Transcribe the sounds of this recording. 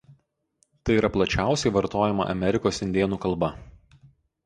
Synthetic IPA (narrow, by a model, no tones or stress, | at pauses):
t̪ɐɪiːɾɐplˠɐt͡ʃʲæˑʊsʲɛɪʋɐɾt̪oːjɛmɐ̰ʔɐ̰mʲɛɾʲɪkoːsɪnʲd̪ʲeːnuːkɐlˠbɐ